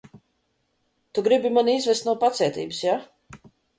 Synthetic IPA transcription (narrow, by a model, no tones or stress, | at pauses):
t̪uɡɾibimanizvɛst̪nuɔpat̪sɛt̪ḭːbɨsja